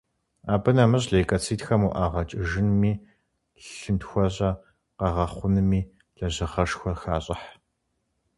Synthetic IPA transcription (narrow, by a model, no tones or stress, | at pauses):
aːbɨnɐmɨɕɮejkʼɐt͡sʰiːtxɐmuːʔaːʁɐt͡ʃʼɪʒɪnmiː | ɬɨntxʷɔɕʼɐ | qɐʁɐχʷʊnɨmiː | ɮɐʑɪʁɐʂxʷɔrxaːɕʼɐħ